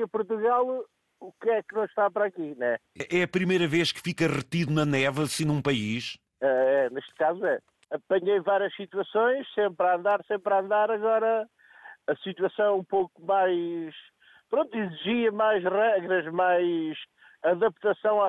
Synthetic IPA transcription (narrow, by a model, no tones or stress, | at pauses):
ɐpuɾt̪uɣalˠ | ukɛknɐ̃w̃ʃt̪apɾakiñɛɛʔɛɐpɾimɐjɾɐveʃkɨ̥fikɐʁɨt̪iðunɐnɛvɐsĩnũpɐiʃ | ɛɛneʃt̪̚kazuɛ | ɐpɐɲejvaɾjɐʃsit̪wɐsõj̃ʃsẽmpɾɐɐ̃nd̪aɾsẽmpɾɐɐ̃nd̪aɾɐɣɔɾɐ | ɐsit̪wɐsɐ̃w̃ũpowkumajʃ | pɾõnt̪iziʒiɐmajʃʁɛɣɾɐʒmajʃ | ɐðɐp̚t̪ɐsɐ̃w̃a